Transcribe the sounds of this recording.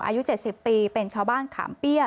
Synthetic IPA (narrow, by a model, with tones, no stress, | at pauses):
ŋʔa̰ː˧ju˦˥t͡ɕe˨˩t̪̚si˨˩ppːiː˧pe˧nt͡ɕʰaː˧wbaː˥˩nkʰa̰ː˩˦mpi˥˩ə